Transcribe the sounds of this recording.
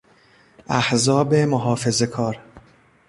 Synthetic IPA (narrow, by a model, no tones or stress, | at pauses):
ʔæhzɒːbe̞moɦɒːfe̞ze̞kʰɒːɾ